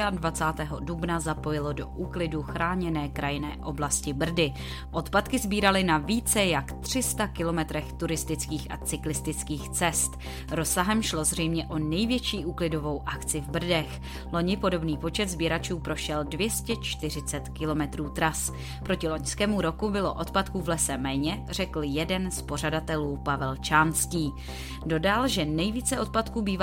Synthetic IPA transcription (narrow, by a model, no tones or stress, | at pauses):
advat͡saːt̪ɛːɦo̞dubnazapo̞jɪlo̞do̞ʔuːklɪduxɾaːɲɛnɛːkɾʔajɪnɛ̰ːʔo̞blascɪbr̩dɪ | ʔo̞t̪pat̪kɪzbiːɾalɪnaviːt͡sɛjakt̪r̝̥ɪst̪akɪlo̞mɛt̪ɾɛxt̪uɾɪst̪ɪt͡skiːxʔa̰t͡sɪklɪst̪ɪt͡skiːxt͡sɛst̪ | ɾo̞saɦɛmʃlo̞zr̝ɛjmɲɛʔo̞nɛjvjɛt͡ʃiːʔuːklɪdo̞vo̞wʔakt͡sɪvbr̩dɛx | lo̞ɲɪpo̞do̞bniːpo̞t͡ʃɛt̪zbiɾat͡ʃuːpɾo̞ʃɛldvjɛscɛt͡ʃt̪ɪr̝ɪt͡sɛt̪kɪlo̞mɛt̪ɾuːt̪ɾas | pɾo̞cɪlo̞ɲskɛːmuɾo̞kubɪlo̞̰ʔo̞t̪̚pat̪kuːvlɛsɛmɛːɲɛr̝̥ɛkl̩jɛdɛnspo̞r̝adat̪ɛluːpavɛlt͡ʃaːnsciː | do̞dalʒɛnɛjviːt͡sɛʔo̞t̪̚pat̪kuːbiːva